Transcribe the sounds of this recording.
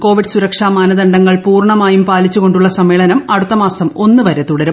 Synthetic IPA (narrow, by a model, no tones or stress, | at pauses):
ko̞ːʋiɖɨsuɾɐkʂaːmaːnɐðɐɳɖɐŋːɐɭpuːrɳɐmaːjumpaːlit͡ɕːuɣo̞ɳɖuɭːɐsɐmːeːɭɐnɐmɐɽut̪ːɐmaːsɐmo̞nːɨʋɐɾet̪uɽɐɾum